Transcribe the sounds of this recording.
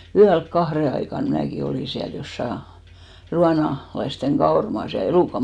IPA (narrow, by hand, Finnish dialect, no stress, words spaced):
yælk kɑhre ɑikɑn mnæːki oliˑ siæl josːɑ ruɑnɑ lɑisteŋ kɑormɑːs jɑ eluˑkɑ